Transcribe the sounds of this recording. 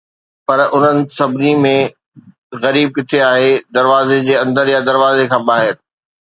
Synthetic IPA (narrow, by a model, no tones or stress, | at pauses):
pɐɾʊn̤ənɪ̆sɐbʱɪnimẽ | ɣɐɾiːb̚kɪt̪ʰeaːɦed̪ɐɾʋaːzed͡ʑeːɐ̃nd̪əɾjad̪ɐɾʋaːzekʰãːbaːɦɪɾ